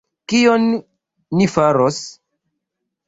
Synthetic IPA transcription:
kionː | ifaɾos

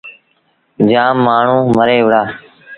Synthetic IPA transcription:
d͡ʒaːmːaːɳ̤ũːməɾeːʋəɽaː

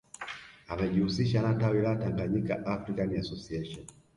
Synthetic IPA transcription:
amɛʄihusiʃanatawilataŋɡaɲikaʔafɾikaniasɔsiɛʃɔn

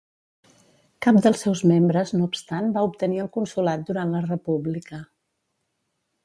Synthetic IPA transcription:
kap̚d̪əlˠsɛwzmembɾəznoupst̪anbaupt̪əniəlˠkunsulat̪̚d̪uɾanlərəpuβlikə

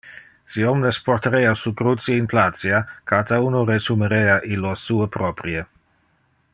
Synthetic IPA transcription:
siomnespoɾt̪aɾeasukɾut͡sieinplat̪t͡siakat̪aunoɾesumeɾeaʔilosuepɾɔpɾie

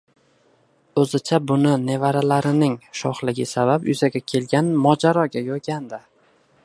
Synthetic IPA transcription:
ɵzɪt͡ʃʰabʊnɪne̞vaɾalaɾɪnɪŋʃɒχlɪɡʲɪsabapjʊzaɡʲakʲʰe̞lɡʲanmɒd͡ʒaɾɒɡʲajɒɡʲand̪ɪ

